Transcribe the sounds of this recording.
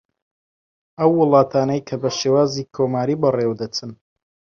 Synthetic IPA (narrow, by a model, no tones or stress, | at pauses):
ɐwːɨlˠɑːt̪ʰaːnɐjkʰɐbɐʃewaːziːkʰoːmaːɾibɨrewd̪ɐt͡sɨn